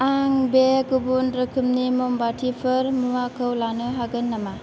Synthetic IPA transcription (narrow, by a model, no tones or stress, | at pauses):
aŋbeɡubunɾɯkʰɯmnimombatʰipʰɯɾmumakʰɯwlanɯɦaɡɯnːɐma